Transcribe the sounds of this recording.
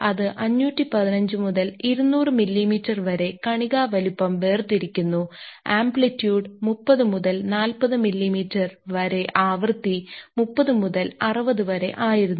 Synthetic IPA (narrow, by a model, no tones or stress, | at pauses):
ɐðɨʔɐɲːuːtːipɐðinɐɲd͡ʑɨmuðɐliɾunːuːrɨmilːimiːtːɐrʋɐɾe̞kɐɳiɣaːʋɐlupːɐmʋeːrt̪iɾikʲːunːuaːmbɭitːjuːɖmupːɐðɨmuðɐlnaːlpɐðɨmilːimiːtːɐrʋɐɾe̞ʔaːʋrt̪ːimupːɐðɨmuðɐlɐrɨbɐðɨʋɐɾe̞̰ʔaːjiɾunː